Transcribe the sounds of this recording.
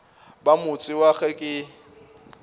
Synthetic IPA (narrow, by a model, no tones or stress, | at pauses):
bamʊt͡sʼɪwaɣɛkʼɪ